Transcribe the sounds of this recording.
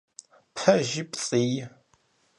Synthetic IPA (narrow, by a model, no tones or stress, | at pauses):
pʰɐʒipt͡sʼij